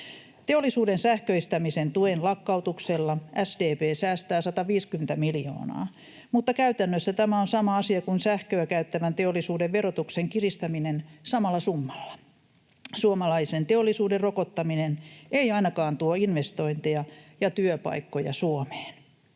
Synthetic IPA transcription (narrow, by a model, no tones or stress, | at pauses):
t̪eolːisuːdensæhkøist̪ɑmisent̪uenlɑkːɑut̪ukselːɑʔæsdeːpeːsæːst̪æːsɑt̪ɑʋiːskymĕnt̪æmiljo̰ːnɑ̰ː | mut̪ːɑkæyt̪ænːøsːæt̪æmæonsɑmɑɑsiɑkunsæhkøːkæyt̪ːæʋænt̪eolːisuːdeʋʋerot̪ukseŋkirist̪ɑminensɑmɑlːɑsumːɑ̥lːɑ̥ | suomɑlɑisent̪eolːˑisuːderrokot̪ːɑminenʔeiɑinɑkɑːnt̪uoinʋest̪o̞int̪eɑjɑt̪yøpɑ̰ikːojɑ̰suome̥ːn